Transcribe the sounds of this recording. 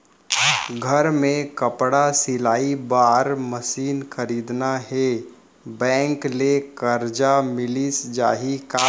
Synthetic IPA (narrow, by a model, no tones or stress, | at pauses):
ɡʱəɾmẽkəpɽasɪlaːibaːɾməsiːnxəɾiːd̪naɦe | bɛ̃ːŋklekəɾd͡ʒamɪlisd͡ʒa̰ːɦikaː